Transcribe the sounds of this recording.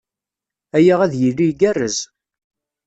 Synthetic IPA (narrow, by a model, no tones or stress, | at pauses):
æjəʁæðjilːiɡærːəz